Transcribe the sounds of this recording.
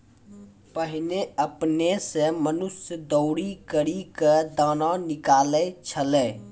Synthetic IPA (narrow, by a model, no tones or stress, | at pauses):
pəɦɪneəpnesemənʊsjəd̪əʊɽikəɾiked̪aːnanɪkaːlet͡ʃʰəleː